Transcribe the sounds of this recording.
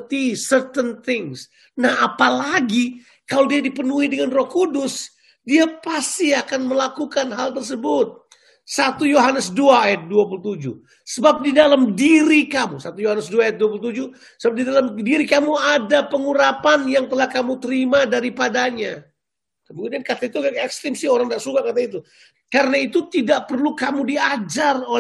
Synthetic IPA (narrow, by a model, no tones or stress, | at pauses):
t̪isərt̪ənt̪ɪŋs | nahapalaɡi | kalodiadipənuidəŋanrɔkudʊs | diapast̪iakanməlakukanɦalt̪̬ərs̬əbʊt̪̚ | sat̪ujoɦanəsduaːjat̪̚duapulut̪ud͡ʒu | səbap̚didalamdiɾikamusat̪ujohanəsduaːjat̪̚duap̬ulut̪̬ud͡ʒu | səbap̚didalamdiɾikamuadapəŋuɾapanjaŋt̪əlahkamut̪əɾimadaɾipadaɲa | kəmukudiankat̪ait̪uɡakɛkst̪ɾɪmsɪhoɾaŋdaʔsukakat̪̬ait̪u | kaɾənait̪ut̪idaʔpərlukamudiad͡ʒaro